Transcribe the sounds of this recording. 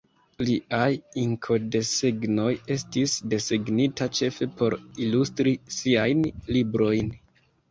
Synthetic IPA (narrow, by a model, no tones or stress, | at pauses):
liʔajiŋkʰo̞de̞seɡno̞je̞stisde̞seɡnitat͡ʃe̞fe̞po̞ɾilustɾisiajnlibɾo̞jn